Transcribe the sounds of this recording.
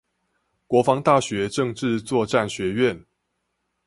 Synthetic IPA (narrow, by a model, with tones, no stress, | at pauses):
kwɔ˧˥fɑ˧˥ŋt̪a˥˩ɕɥɛ˧˦ʈ͡ʂɤ˥˧ŋʈ͡ʂɻ̩˥˧t͡swɔ˥˧ʈ͡ʂa˥˨nɕɥɛ˧˥ɥɛ˥˨n